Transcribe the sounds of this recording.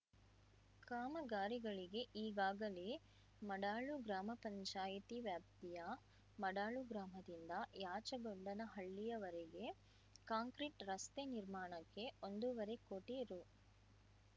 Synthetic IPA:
kaːmɐɡaːɾiɡɐɭiɡe̞ʔiːɡaːɡɐle | mɐɽaːɭuɡɾaːmɐpɐɲt͡ʃaːjit̪iʋjaːp̚t̪ijɐ | mɐɽaːɭuɡɾaːmɐd̪ind̪ɐjaːt͡ʃɐɡoɳɖɐnɐɦɐɭːijɐʋɐɾeɡe̞ | kaːŋkɾiʈɾɐst̪eniɾmaːɳɐkːe̞o̞nd̪uʋɐɾekoʈiɾu

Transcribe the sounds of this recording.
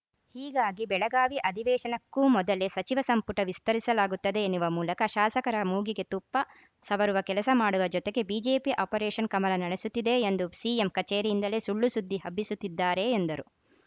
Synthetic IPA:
hiːɡaːɡibɛɭɐɡaːʋiʔɐd̪ʱiʋɛːʃɐnɐkːumɔd̪ɐle̞sɐt͡ʃiʋɐsɐmpuʈɐʋist̪ɐɾisɐlaːɡut̪ːɐd̪e̞ːnuʋɐmuːlɐkɐʃaːsɐkɐɾɐmuːɡiɡe̞t̪upːɐ | sɐʋɐɾuʋɐkɛlɐsɐmaːɽuʋɐd͡ʒɔt̪eɡe̞biːd͡ʒeːpiʔɐːpɐɾɛːʃɐnkɐmɐlɐnɐɽesut̪ːid̪e̞ːnd̪usiːemkɐt͡ʃeːɾiind̪ɐle̞ːsuɭːusud̪ʱːiɦɐbːisut̪ːid̪ːaːɾe̞ːnd̪ɐɾu

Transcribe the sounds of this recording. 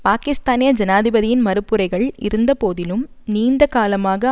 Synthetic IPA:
paːkɪst̪aːnɪjɐd͡ʒɐnaːðɪbɐðɪjɪnmɐɾɯpːɯɾɐɪɣɐɭʔɪ̰ɾɯnd̪ɐpoːðɪlɯm | niːnd̪ɐkaːlɐmaːɣɐ

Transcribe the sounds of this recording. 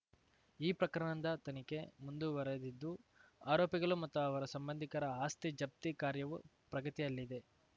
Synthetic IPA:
iːpɾɐkɾɐɳɐnd̪ɐt̪ɐnike̞mund̪uʋɐɾed̪id̪ːuaːɾoːpjɐɡɐɭumɐt̪ːuɐʋɐɾɐsɐmbɐnd̪ʱikɐɾɐaːst̪id͡ʒɐp̚t̪ikaːɾjɐʋu | pɾɐɡɐt̪ijɐlːid̪e̞

